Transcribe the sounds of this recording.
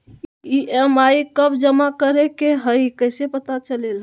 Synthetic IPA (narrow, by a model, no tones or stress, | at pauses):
iʔemaikəbd͡ʒəmakəɾekeɦəɪkəjsepət̪at͡ʃəlel